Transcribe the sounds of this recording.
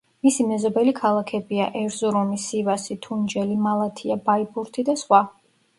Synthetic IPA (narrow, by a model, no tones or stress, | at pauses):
misimɛzɔbɛlikʰalˠakʰɛbiaʔɛɾzɔɾɔmisivasit̪ʰund͡ʒɛlimalˠat̪ʰiabaibuɾt̪ʰid̪asχwa